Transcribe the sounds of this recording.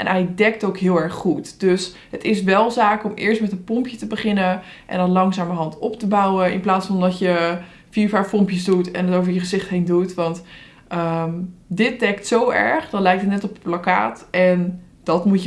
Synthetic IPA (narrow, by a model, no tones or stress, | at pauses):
ʔɛ̰nɛjdɛk̚towkɦɪːlˠɛɹχχutd̥øs | ɦətɪsʋɛlˠzaːkɔmɪ̰ːɹstmɛtənpɔmpjətəbəχɪnə | ʔɛ̰ndɔnlɑŋsaːməɦɑntɔptəbawəɪ̰nplaːtsfɑndɑtjə | fiːɹfaːɹfɔmpjəzdutɛ̰nətowvəɹjəχəzɪχtɦejndutʋɑnt | əmdɪt̚dɛktsowɛ̰ɹχdɑtlɛjk̚tətnɛtɔpəplaka̰ːtɛn | d̥ɑtmu